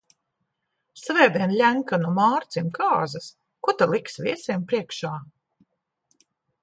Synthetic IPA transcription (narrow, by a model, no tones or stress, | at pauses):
svɛːb̪ʲiɛnlʲæŋkanumaːɾt̪simkaːzɐs | kut̪alˠiksvʲiɛsʲiɛmpɾiɛkʃaː